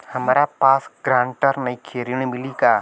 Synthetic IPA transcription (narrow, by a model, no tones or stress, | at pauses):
hɐmːɾapaːsɡɾãːɳʈəɾnɐikʰeːɾiɽ̃emɪlikaː